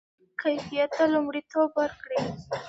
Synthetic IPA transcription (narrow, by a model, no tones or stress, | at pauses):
kajfijat̪ːalumɽit̪obwəɾkɽi